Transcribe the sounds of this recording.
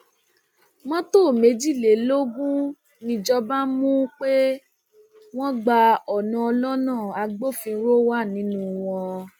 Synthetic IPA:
wɔ̃˦to˦˨me˨˦d͡ʒi˦˨le˨lo˦ɡũ˦ | nĩ˧d͡ʒɔ˧ba˦mũ˦k͡pe˦ | w̃ɔ̃˦ɡ͡ba˧ɔ˨nã˧ɔ˧lɔ˦nãː˦˨a˧ɡ͡bo˦˨fĩ˧˦ɾo˦wa˦˨nĩ˨˦nũ˦w̃ɔ̃˧

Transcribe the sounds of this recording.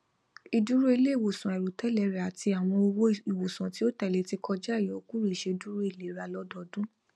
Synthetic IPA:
i˨du˦ɾo˦i˧le˦i˦˨wo˨sũ˨ɛ˨ɾu˨tɛ˦lɛ˨˧˦ɾa˨ti˧a˨w̃ɔ̃˧o˧wo˦i˨wo˨sũ˨ti˦o˦tɛ˨le˨˧˦ti˧kɔ˧d͡ʒa˦˨jɔ˨˦ku˦ɾe˦˨ʃe˧du˦ɾo˦i˦˨le˨˦ɾa˧˨lɔ˦dɔ˧˨dũ˦

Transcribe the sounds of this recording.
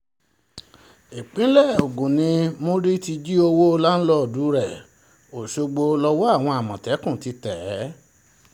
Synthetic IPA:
e˨k͡pĩ˦lɛ˦˨o˨ɡũ˨nĩ˧mo˦ɾi˦ti˧d͡ʒi˦o˧wo˦˧la˦n̩˦lɔ˦˨du˨˦ɾɛ˦˨ | o˨ʃo˧ɡ͡bo˧lɔ˧wɔ˦a˦˨w̃ɔ̃˧a˨mɔ̃˨tɛ˨˦kũ˦˨ti˧˦tɛ˨˦

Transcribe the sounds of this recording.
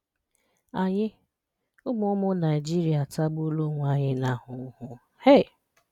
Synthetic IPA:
a˨ɲɪ˦ | ʊ˦mʊ˦ʊ˦mʊ˦na˨i˨d͡ʒi˦ɾi˨a˨ta˦ɡ͡bu˦lo˦ŋʷa˦ɲɪ˦na˨hʊ˨˦hʊ˦ | he˦˨

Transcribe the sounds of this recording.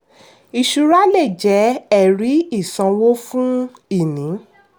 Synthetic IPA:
i˧ʃu˧ɾa˦lɛ˦˨d͡ʒɛ˨˦ɛ˦˨ɾi˨˦i˦˨sã˨˧wo˦fũ˦i˦˨nĩ˨˦

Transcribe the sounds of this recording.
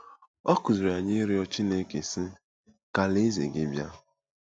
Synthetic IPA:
ɔ˦ku˨zi˨ɾa˨ɲe˦ɾɪ˦ɔ˦t͡ʃi˦ne˦ke˨si˦ | ka˦le˦zḛ˨ɡɪ˨bja˦

